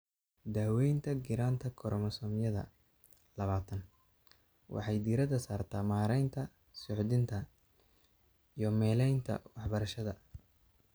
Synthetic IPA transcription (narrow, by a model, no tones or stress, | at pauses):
d̪aːwɛjnt̪ʰɐɡɪɾaːnt̪ʰɐkʰɔɾʔɔmɐsɔːmjɐðɐ̰ | lɐβaːt̪ʰɐn | wʔɑ̰ħɑjd̪iːɾɐðɐsaːrt̪ʰaːmaːɾɛjnt̪ʰɐ | sɔʕd̪ɪnt̪ʰɐ | ijɞmɛːlɛjnt̪ʰɐ̰wɑħbɐɾɐʃɐðɐ